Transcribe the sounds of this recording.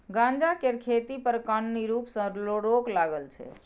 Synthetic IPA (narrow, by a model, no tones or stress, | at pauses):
ɡãnd͡ʒakeɾkʰet̪ipəɾkənːiɾupsə̃loɽoklaɡəlt͡ʃʰɛ̰